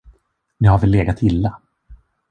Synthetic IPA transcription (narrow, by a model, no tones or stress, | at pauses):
nɪhaɾvɛlːeːɡat̪ʰɪlːa